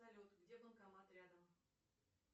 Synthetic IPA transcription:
ɐlʲot̪ɡdʲebənkɐmat̪ɾʲad̪əm

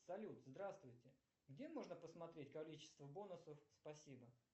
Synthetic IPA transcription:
sɐlʲut̪zd̪ɾast̪vʊjtʲɪ | ɡdʲemo̞ʐnəpəsmɐt̪ɾʲetʲkɐlʲit͡ɕɪ̥st̪vəbo̞nʊsəfspɐsʲibə

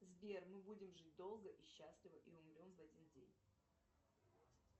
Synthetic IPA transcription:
zbʲermɨbudʲɪmʐɨt̚ʲd̪o̞lˠɡəʔiɕːasʲlʲɪvəʔiʊmɾʲo̞mvɐdʲindʲḛnʲ

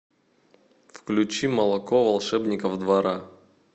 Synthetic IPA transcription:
fklʲʉt͡ɕimɐlˠɐkovɐlˠʂɛbnʲɪkəvd̪vɐɾa

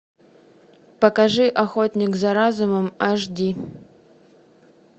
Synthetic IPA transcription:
pəkaʐɨʔaxot̪ʲnʲɪkzaɾazuməmaʐd̪ʲi

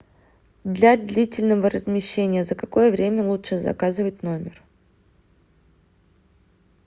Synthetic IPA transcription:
d̪lʲad̪lʲitʲɪlʲnəvərəzmʲɪɕːenʲɪjəzəkɐko̞jəvɾʲemʲəlˠutʂɨzɐ̰kazɨvətʲno̞mʲɪr

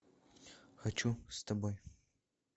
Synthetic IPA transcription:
xɐt͡ʃʰust̪ʰɐboj

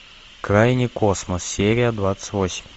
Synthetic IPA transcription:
kɾajnʲɪkosməssʲeɾʲɪjəd̪vat̪sə̥tʲvosʲɪ̥mʲ

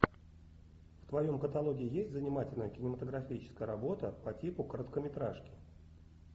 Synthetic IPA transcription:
ft̪vɐjo̞mkət̪ɐlˠoɡʲɪɪjesʲtʲzənʲɪmatʲɪlʲnəjəkʲɪnʲɪmət̪əɡɾɐfʲit͡ɕɪ̥skəjəɾɐbo̞t̪əpɐtʲipʊkəɾət̪kəmʲɪt̪ɾaʂkʲɪ̥

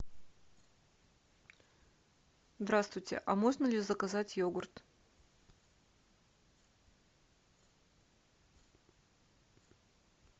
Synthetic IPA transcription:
zd̪ɾast̪vʊjtʲɪ̰ʔɐmo̞ʐnəlʲɪzəkɐzatʲjoɡʊrt̪

